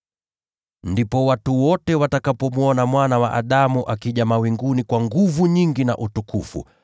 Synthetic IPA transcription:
ndipɔwatuwɔtɛwatakapɔmuɔnamwanawaʔa̰ɗamuʔakiʄamawiŋɡunikwaŋɡuvuɲiŋɡina̰ʔutukufṵ

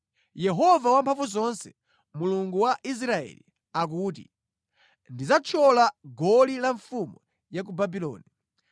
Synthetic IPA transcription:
jɛɦɔvawampʰaɱvuzɔnsɛ̥ | muluŋɡuwaʔis̬ɾaɛ̰li | ak̬uːtḭ | ndizat͡ʃʰɔlaɡɔlilaɱfumu | jak̬ubabilɔ̰ːni

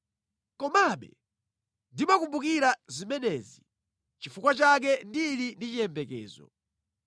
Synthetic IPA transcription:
kɔmaɓɛ̰ | ndimakumbukiɾazimɛnɛzi | t͡ʃifukwat͡ʃak̬ɛndilindit͡ʃijɛmbɛkɛ̰ːzɔ̰

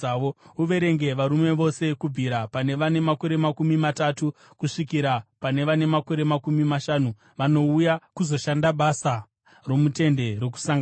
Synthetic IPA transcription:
ouʋe̞ɾe̞ŋɡe̞ʋaɾume̞ʋo̞se̞kubʱiɾapane̞ʋane̞mako̞ɾe̞makumimatatu | kuʂikiɾapane̞ʋane̞mako̞ɾe̞makumimaʃaːnu | ʋano̞ujakuzo̞ʃandaɓasa | ro̞mute̞nde̞rwoku̥saŋɡa

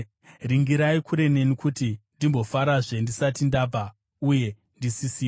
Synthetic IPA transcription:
riŋɡiɾaikuɾe̞ne̞nikutindimbo̞faɾaʐe̞ndisatindaːba | uje̞ | ndisisiːo

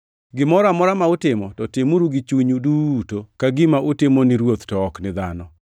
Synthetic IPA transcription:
ɡɪmɔɾamɔɾamaʊtɪmɔtɔtɪmuɾuɡit͡ʃwiɲudutokaɡɪmaʔʊtɪmonɪɾwot̪tɔːknɪd̪a̰nɔ

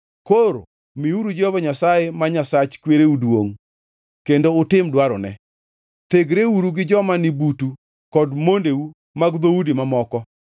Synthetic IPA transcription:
koɾo̰ | miuɾud͡ʒɔvɔɲasajemaɲasat͡ʃkweɾeudwoŋ | kendoʊtɪmdwaɾɔnɛ̰ | t̪eɡɾeuɾuɡɪd͡ʒɔmanɪbutu | kɔdmondeu | maɡðoudimamɔkɔ

